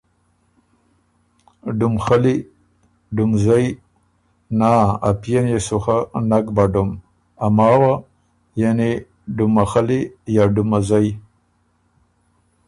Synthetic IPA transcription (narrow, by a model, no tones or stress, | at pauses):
ɖumxali | ɖumzaj | naːapjenjesuxanakbaɖum | amaːwa | jane | ɖumaxalijaɖumazaj